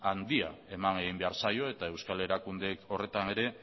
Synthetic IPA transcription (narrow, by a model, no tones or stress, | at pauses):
and̪ia̰e̞maneɣimbe̞aɾsajo̞e̞t̪ae̞wskale̞ɾakund̪e̞ko̞re̞t̪ane̞ɾe̞